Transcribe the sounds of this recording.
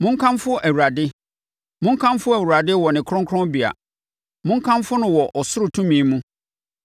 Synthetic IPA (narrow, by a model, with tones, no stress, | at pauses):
mʊ̃˦ŋ̩˦kʰã˦mfʊ˦ʔæ˨wu˨ɾa˨dɪ˦ | mʊ̃˦ŋ˦kʰã˦mfʊ˦æ˨wu˨ɾa˨dɪ˦wɔ˨nɪ̃˨kʰɾʊ̃˦ŋkʰʊ˦ɔ̃˦mbi˨a̰˨ | mʊ̃˦ŋ˦kʰã˦mfʊ˦nʊ̃˨wɔ˨ʔɔ˨sʊ˦ɾʊ˨tʰũ˦mĩ˨˦mũ˦